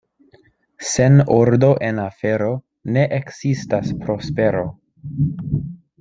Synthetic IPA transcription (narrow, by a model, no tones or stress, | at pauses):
se̞noɾdo̞ʔe̞nafe̞ɾo̞ | ne̞ʔeksistaspɾo̞spe̞ɾo̞